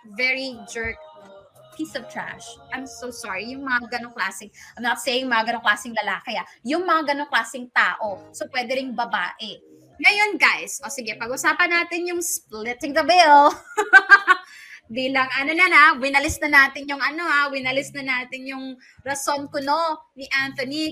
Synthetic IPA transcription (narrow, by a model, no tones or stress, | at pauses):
vɛɹid͡ʒɛɹk̚ | pʰiːsɐvt̪ɹa̰ʃʔɐjmsosɔːɹijʊŋmɐŋaɡɐnoŋklaːsɪŋʔajmnɐt̪̚sejɪŋmɐŋaɡɐnoŋklaːsɪŋlɐlaːkɪajʊŋmɐŋaɡɐnoŋklaːsɪŋt̪a̰ːʔo̞sopwɛːd̪ɛɾɪŋbɐba̰ːʔɛ | ŋɐjo̞nɡajsʔosɪɡɛpɐɡʔʊsaːpɐnːaːt̪ɪnjʊŋsplɪt̪ɪŋd̪ɐbɪl | d̪ilɐŋʔɐnonɐnawɪnɐlɪsnɐnaːt̪ɪnjʊŋʔɐno̞awɪnɐlɪsnɐnaːt̪ɪnjʊŋ | ɾɐso̞nkononiʔant̪oni